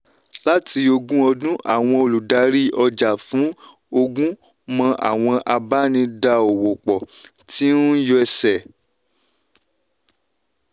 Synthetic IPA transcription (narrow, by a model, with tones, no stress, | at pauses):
la˦ti˧o˧ɡũ˦ɔ˧dũ˦ʔa̰˦˨w̃ɔ̃˧o˨lu˨da˧ɾi˦ɔ˧d͡ʒa˨fũ˨˦ | o˧ɡũ˦ | mɔ̃˧ʔa̰˨w̃ɔ̃˧ʔa˧ba˦nĩ˧da˧o˨wo˨k͡pɔ˨ | ti˦nũ˦jɔ˧ɛ˧sɛ˨